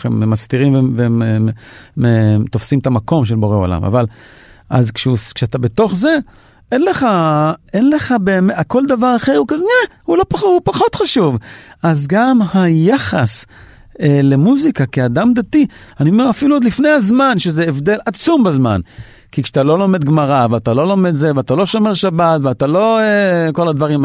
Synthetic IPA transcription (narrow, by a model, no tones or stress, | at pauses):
χememast̪iʁimveveemet̪o̞fsimt̪amako̞mʃ̬elbo̞ʁeo̰la̰ma̰valʔa̰zkʃeuskʃeat̪abe̞t̪o̞χze̞ | enleχaenle̞χabeːmeako̞ld̪avaʁaχe̞ʁhukazenɛhulo̞paupaχo̞t̪χaʃuvazɡamhajaχas | elemuzikakead̪amd̪at̪ianiomeʁafiluod̪lifne̞jhazmanʃezeevd̪e̞lat͡sumbazma̰n | kikʃeat̪alo̞lo̞me̞d̪ɡmaʁaveat̪alo̞lo̞med̪zeveatalo̞ʃomeʁʃabat̪veat̪alo̞eko̞lad̪vaʁim